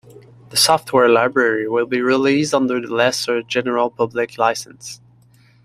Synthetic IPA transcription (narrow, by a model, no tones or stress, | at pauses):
ðəsɔft̚wɛɹlaɪbɹɛɹiwɪlˠbiɹɪlisdʌ̃nðə˞lɛsə˞d͡ʒɛnə˞l̩ˠpʰʌblɪkʰlaɪsə̃ns